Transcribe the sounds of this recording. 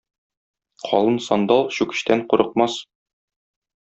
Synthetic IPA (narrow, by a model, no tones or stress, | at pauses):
qʰɒ̰lˠɤnsɒnd̪ɑlˠɕʉkɘ̥̆ɕt̪æɴquɾʔɤ̆q̚mɑs